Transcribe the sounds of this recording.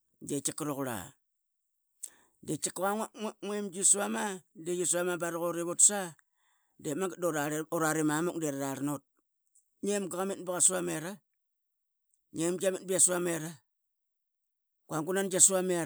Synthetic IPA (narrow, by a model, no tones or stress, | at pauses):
det͡ʃakɾokɾa̰ | det͡ʃikɣaŋŋwemd͡ʒisuamadejisuamabaɾɣoɾeβotsa | demadoɾaoɾaɾimamuk̚deɾaɾaɾnot̚ | ɲemɡaɣamitbaɣasuameɾa | ɲemd͡ʒamit̚biasuameɾa | kwaŋɡunand͡ʒasuame